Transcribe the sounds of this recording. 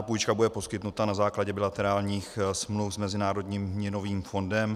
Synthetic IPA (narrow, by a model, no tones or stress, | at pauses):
puːjt͡ʃkabudɛpo̞skɪt̪nut̪anazaːklaɟɛbɪlat̪ɛɾaːlɲiːxsmlufzmɛzɪnaːɾo̞dɲiːmːɲɛno̞viːmfo̞ndɛm